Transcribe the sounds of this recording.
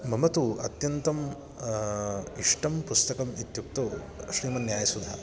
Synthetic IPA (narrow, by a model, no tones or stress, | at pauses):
mɐmɐt̪uɐt̪jɐnt̪ɐm | iʂʈɐmpust̪ɐkɐmit̪juk̚t̪ɐ | ʃɾiːmɐnjaːjɐsud̪ʱa̰